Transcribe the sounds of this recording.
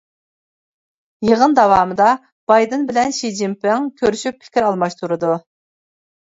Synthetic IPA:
jeʁənd̪ɑwɑːmɨd̪ɑ | b̥ɑjd̪ɨnbɪlɛnʃid͡ʒimpɪŋkʲʰøɾyʃyp̚ʰɪ̥kʲiɾɑlˠmɑʃt̪ʰuɾɨd̪u

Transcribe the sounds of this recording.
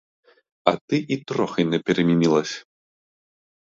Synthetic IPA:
ɐt̪ɨʔit̪ɾɔxɐjnɐpʲɛɾɐmʲinʲilˠɐsʲ

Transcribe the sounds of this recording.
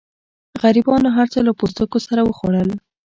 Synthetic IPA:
ɣaɾibɑnoɦaɾt͡səlapost̪əkosaɾawəxoɽəl

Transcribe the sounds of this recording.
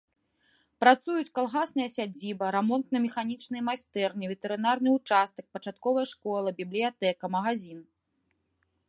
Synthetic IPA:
pɾat̪sujut͡sʲkalˠɣasnɐjɐsʲad͡zʲibɐɾɛmɔnt̪nɐmʲɛxanʲit͡ʂnɨjɐmasʲt̪ɛrnʲɨvʲɛt̪ɛɾɨnarnɨut͡ʂast̪ɐk̚pɐt͡ʂat̪̚kɔvɐjɐʂkɔlˠɐbʲiblʲijat̪ɛkɐmɐɣazʲin

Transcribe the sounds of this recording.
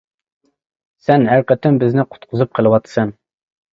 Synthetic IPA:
sɛnɦæɾqət̪ɪmbɪznɪqʰʊ̥t̪qʰʊzɨp̚qʰəlˠɨwɑt̪ʰsɑn

